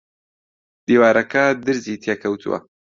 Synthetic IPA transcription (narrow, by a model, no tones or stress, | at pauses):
d̪iːwaːɾɐkɐd̪ɨɾziːt̪ʰjeːkʰɐwt̪ʰṵwɐ̰